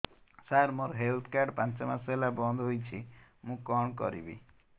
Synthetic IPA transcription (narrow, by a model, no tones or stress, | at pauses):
saɾmoɾɦelt̪ʰkaɾɖpãnt͡ʃɔmaselabɔnd̪ʱɔɦojt͡ʃʰimũkɔɳ̃kɔ̰ɾḭbḭ